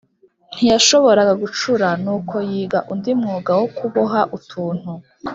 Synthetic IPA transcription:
n̥hijaʃoβo̞ɾaɡaɡut͡ʃuɾanuːkʰo̞jiːɡaʔundimŋuːɡawokʰuβoɦaʔutʰuːn̥u

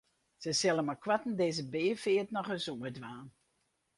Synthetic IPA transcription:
sɛsɛlˠəmakʰwatn̩deːzəbeːfɪətnɔχəzumədʋaːn

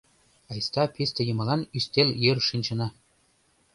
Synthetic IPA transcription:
ɑjst̪ɑpʲisʲt̪ʲɘ̆jɤ̆mɤ̆lˠɑnysʲt̪ʲelʲjerʂinʲt͡ɕɤ̆nɑ

